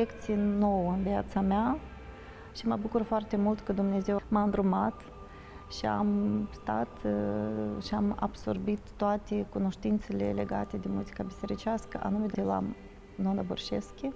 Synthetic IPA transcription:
ekt̪sijnowɨnviat̪samea | ʃiməbukurfoart̪e̞mult̪kəd̪umne̞ze̞wmaɨnd̪ɾumat̪ | ʃia̰mst̪at̪ | ʃiama̰b̥so̞̰rbit̪ːoat̪ekuno̞ʃt̪int̪se̞lḛle̞̰ɡa̰t̪e̞d̪emuzikabise̞ɾit͡ʃiaskəʔa̰numed̪ela̰ | nonaborʃeskʲe

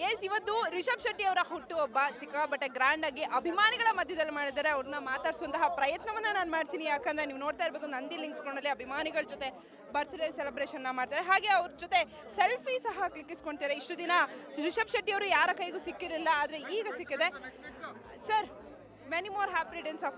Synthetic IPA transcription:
jesiʋɐt̪ːuɾiʃɐbʃɐʈːiɐʋɐɾɐɦuʈːuɔbːɐsikːɐbɐʈːeɡɾaːɳɖaːɡiʔɐbʱimaːniɡɐɭɐmɐd̪ʱjɐd̪ɐlːimaːɽid̪aːɾeɐʋɐɾɐnːɐmaːt̪aːɽsʋɐnt̪ɐɦɐpɾɐjɐt̪nɐʋɐnːɐnaːnumaːɽt̪iːnijaːkend̪ɾeniːʋuno̞ːɽt̪aːjiɾboːd̪unɐnd̪iliŋɡksɡoɳɐlːiɐbʱimaːniɡɐɭd͡ʒot̪e̞ | bɐɾt̪id̪esɛlɐbɾeːʃɐnːɐmaːɖt̪aːɾeɦaːɡe̞ɐʋɐɾd͡ʒot̪e̞ | selpʰisɐɦɐklikːisko̞ɳɖt̪iːɾeiʂʈud̪inɐɾiʃɐbʃɐʈːijɐʋɐɾujaːɾɐkɐjɡuːsikːiɾilːɐaːd̪ɐɾe̞iːɡɐsikːɐd̪e̞ | sɐɾ | menimoːɾɦaːpɾiɖensɐf

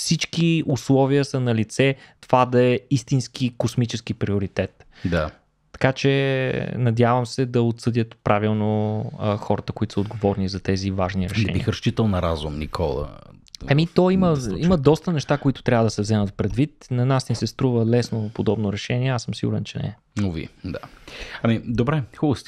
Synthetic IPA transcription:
fsit͡ʃkiuslˠɔviəsənɐlit̪sɛt̪ov̥ad̪ɐɛist̪insk̟ikosmit͡ʃɛsk̟ipɾiʊɾit̪ɛt̪d̪aː | ɐ̥kat͡ʃɛ̰nɐd̪ʲjavəmsɛd̪ɐot̪sɤd̪ʲət̪pɾʔavilˠnoxɔɾət̪əkoit̪ʊsəod̪ɡovɔɾnizɐt̪ɛzivaʒniɾɛʃɛ̰ḭxɾɐʃt͡ʃit̪əlˠnɐɾazumnḭkʰɔ̰lˠə̰ | ɛmit̪ɔiməiməd̪ɔst̪ənɛʃt̪akoit̪ʊ̥t̪ɾʲavəd̪ɐsɛvzɛmət̪pɾɛd̪vit̪nɐnasnisɛst̪ɾuvəlɛsnopod̪ɔbnoɾɛʃɛniɛasəmsiɡʊɾɛnt͡ʃɛnɛ̰ɛ | uvḭd̪a̰ɐmid̪obɾɛxubəst̪

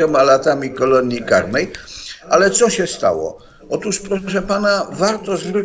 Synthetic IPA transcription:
ɛmalat̪amʲikɔlɔɲʲika̰ɾnɛjʔalɛt̪sɔɕɛst̪a̰wɔ̰ | ɔt̪uʂpɾɔʂɛpanavaɾt̪ɔzɾɪ

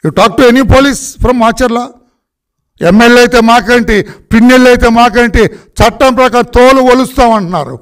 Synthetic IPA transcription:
juʈaːk̚ʈuenipoːliːspʰɾɐmːaːt͡ʃɐɾlaː | emːelːɐjt̪e̞ːmaːkɐɳʈipinːelːɐjt̪e̞ːmaːkɐɳʈit͡ʃɐʈːɐmpɾɐkaːɾt̪oːluʋolust̪aːmɐɳʈunːa̰ːɾṵ

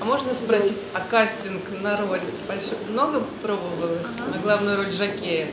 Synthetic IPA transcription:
mo̞ʐnəspɾɐsʲitʲɐkasʲtʲɪnknɐɾo̞lʲbɐlʲʂmno̞ɡəpɾo̞bəvəlˠɨxnɐɡlˠavnʊjʊɾo̞lʲʐɐkʲejə

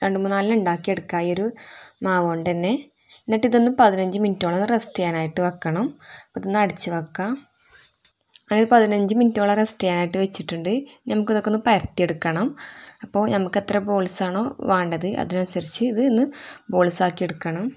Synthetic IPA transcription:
ɾeɳɖɨmuːnnaːlɨneɳɖaːkːije̞ɽukːaːioɾumaːʋoːɳɖt̪ɐnːe | enːɐʈːiðo̞nːɨmpɐðinɐɲd͡ʑɨminitːo̞ːɭːɐonːɨresʈijaːnaːjiʈːɨʋɐkːɐɳɐmɐpːoiðenːɐɽit͡ɕːɨʋɐkːa | ɐðnːoɾupɐðinɐɲd͡ʑɨminitːo̞ːɭːɐresʈijaːnaːjiʈːɨʋet͡ɕːiʈːuɳɖɨnɐmukːiðo̞k̞ːnːɨpɐjɐrt̪ije̞ɽukːɐɳɐmɐpːo̞ːnɐmukːet̪ːrɐbo̞ːlisaːɳo̞ːʋaːɳɖɐðɨʔɐ̰ðinɐnsɐrit͡ɕːɨːðɨnːɨbo̞ːɭisaːkːieɽukːɐɳɐm

